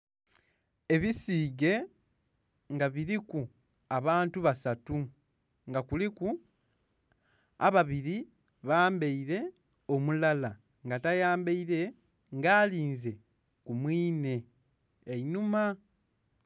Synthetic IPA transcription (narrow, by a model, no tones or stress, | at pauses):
e̞βisiːɡe̞ | ŋɡaβiɾiku | aβaːntuβasatu | ŋɡakuliku | a̰βaβiɾi | βaːmbeiɾe̞ | o̞mulala | ŋɡatajaːmbeiɾe̞ | ŋɡaːliːnze̞ | kumwiːne̞ː | inuma